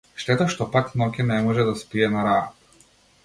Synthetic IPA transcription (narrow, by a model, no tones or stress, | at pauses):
ʃt̪ɛt̪ɔʃt̪ɔpaknɔkʲɛnɛmɔʒɛd̪aspiɛnaɾaat̪